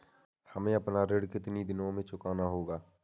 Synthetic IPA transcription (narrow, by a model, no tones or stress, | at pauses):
hɐmẽɐpnaɾeːɽkɪt̪nid̪ɪnõmẽt͡ʃʊkaːnaɦoːɡaː